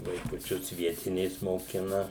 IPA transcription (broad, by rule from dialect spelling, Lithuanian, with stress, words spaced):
ʋɐɪkʊˈt͡ʃʲʊs ˈʋʲiɛtʲɪnʲeːs moːˈkʲɪnɐ